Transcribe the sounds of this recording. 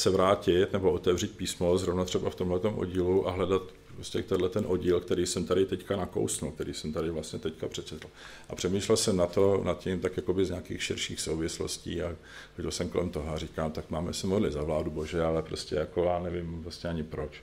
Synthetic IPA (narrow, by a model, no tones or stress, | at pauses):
sɛvɾaːcɪt̪nɛboot̪ɛvr̝ɪt̪̚piːsmozɾovnat̪r̥ɛbaft̪omɦlɛt̪o̞mʔo̰ɟiːluʔa̰ɦlɛdat̪pɾoscɛkt̪ɛdlɛt̪ɛnʔo̞ɟiːlkt̪ɛɾiːsɛmt̪aɾɪt̪ɛckanako̰wsnṵlkt̪ɛɾḭːsɛmt̪adɪvlast̪ɲɛt̪ɛckapr̥ɛt͡ʃɛt̪l̩ | ʔapr̝̥ɛmiːʃlɛlsɛmnat̪onat̪̚cɪmt̪akjakobɪzɲaːkiːxʃɪɾʃḭːxsowvɪslo̰scḭːa | xoɟɛlsɛmkolɛmt̪oɦoariːkaːmt̪akmaːmɛsɪmoɾlɪ̰zavlaːdubo̞ʒɛalɛpɾoscɛjakojaːnɛvɪmvlast̪ɲɛaɲɪpɾot͡ʃ